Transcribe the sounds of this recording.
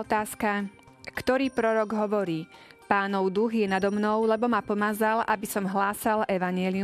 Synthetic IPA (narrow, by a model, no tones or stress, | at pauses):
t̪aːska | kt̪ɔɾiːpɾɔɾɔɡɦɔʋɔɾiːpaːnɔʊd̪uɣjɛnad̪ɔmnɔʊlɛbɔmapɔmaːzalʔabisɔmɦlaːsalɛʋaɲɪɛli